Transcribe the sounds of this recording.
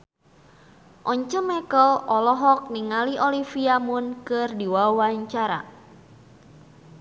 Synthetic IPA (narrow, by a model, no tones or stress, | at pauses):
ʔɔɲt͡ʃəmɛkəlɔlɔɦɔk̚niŋaliʔɔlifiamunkɨrdiwawaɲt͡ʃaɾa̰